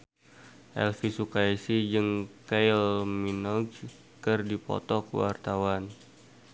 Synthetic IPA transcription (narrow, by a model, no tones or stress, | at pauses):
ʔɛ̰lfisukaisid͡ʒɨŋkajlminɔɡ | kərdipɔ̰t̪ɔkə̰wa̰rt̪awan